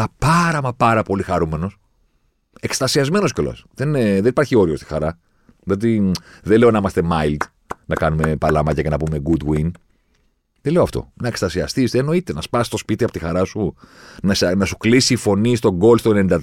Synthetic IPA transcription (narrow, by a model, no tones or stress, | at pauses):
ɐpɐɾɐmɐpɐɾɐpo̞lixɐɾume̞no̞s | e̞kst̪ɐsiɐzme̞no̞scelo̰sðeneðenipɐɾçio̞ɾio̞st̪i̥xɐɾɐ | ðio̞t̪iðele̞o̞nɐimɐst̪e̞mɐild̪ | nɐkɐnume̞pɐlɐmɐcɐcenɐpume̞ɡud̪win | ðele̞oɐft̪o̞̰nɐekst̪ɐsiɐst̪ist̪eno̞it̪enɐspɐsi̥st̪o̞spit̪iɐpo̞t̪ixɐɾɐsunɐsnɐsu̥klisiːfo̞nist̪o̞ɡo̞lst̪o̞enenid̪ɐ